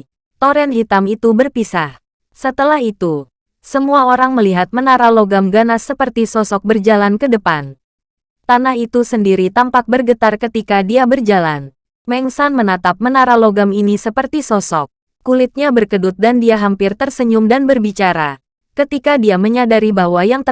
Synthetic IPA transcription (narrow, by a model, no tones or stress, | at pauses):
t̪oɾɛnɦit̪amit̪ubərpisah | sət̪əlahit̪u | səmuaoɾaŋməliɦat̪̚mənaɾaloɡamɡanasːəpərt̪isɔsɔk̚bərd͡ʒalankədəpan | t̪anahit̪usəndiɾit̪ampak̚bərɡət̪arkət̪ikadiabərd͡ʒala̰n | mɛŋsanmənat̪ap̚mənaɾaloɡaminisəpərt̪isɔsɔk̚ː | ulɪt̪̚ɲabərkədut̪̚dandiaɦampɪrt̪ərsəɲumdanbərbit͡ʃaɾa | kət̪ikadiaməɲadaɾibawajaŋt̪ə